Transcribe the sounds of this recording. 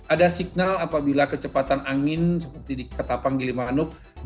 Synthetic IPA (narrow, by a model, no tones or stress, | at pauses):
ʔadasik̚nalapabilakət͡ʃəpat̪anaŋɪnsəpərt̪idikat̪apaŋɡilimanʊk̚